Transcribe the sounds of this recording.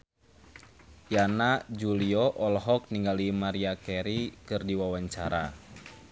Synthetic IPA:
janad͡ʒuliɔʔɔlɦɔk̚niŋɡalimaɾiakɛɾikɨrdiwawaɲt͡ʃaɾa

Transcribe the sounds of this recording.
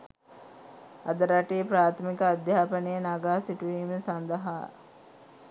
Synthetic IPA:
ad̪əɾaʈejəpɾaːt̪ʰəmikəad̪jaːpənəjənaɡaːsiʈuʋiːməsand̪əɦa̰ː

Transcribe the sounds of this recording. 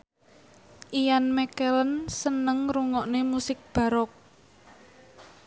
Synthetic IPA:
ʔijanmɛkelənsənəŋruŋɔʔnemusɪk̚b̥ä̤ɾɔk̚

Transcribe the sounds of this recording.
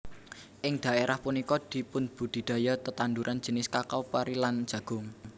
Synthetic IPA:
ʔɪŋd̪̥a̤ʔeɾʔahpunikɔd̪̥i̤pʊnb̥ṳd̪̥i̤d̪̥ä̤jɔt̪ət̪anduɾʔan̥d͡ʒ̥ə̤nɪskakawpaɾilan̥d͡ʒ̥ä̤ɡ̥ʊ̤ŋ

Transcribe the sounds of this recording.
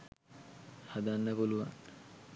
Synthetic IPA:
had̪anːəkoluʋan

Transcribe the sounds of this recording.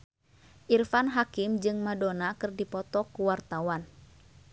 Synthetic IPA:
ʔirfanɦakimd͡ʒɨŋmadonakɨrdipɔt̪ɔkuwart̪awan

